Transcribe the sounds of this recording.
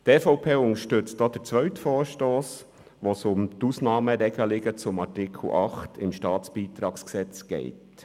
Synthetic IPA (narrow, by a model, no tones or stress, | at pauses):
tɛːfoʊpʰeːʊŋəʃtʏt͡st̚dɑːd̥̪əɾt͡sʋœɥtfɔːɾʃtoːs | ʋosʊmt̪uːsnɑːməɾɛɡəlɪɡət͡sʊmɑɾtɪkʰl̩ʔɑχtʰɪmʃtɑːt͡sb̥iːt̪ɾɑːksksɛt͡sɡ̥ɛ̰ɪt